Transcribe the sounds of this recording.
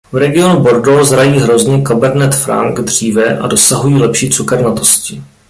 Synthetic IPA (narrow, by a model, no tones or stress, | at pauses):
vɾɛɡɪo̞nubo̞ɾdozɾajiːɦɾo̞zɲɛkabɛɾnɛt̪fɾa̰ŋɡd̪r̝iːvɛʔa̰do̞saɦujiːlɛpʃiːt͡sukɛɾnat̪o̞scɪ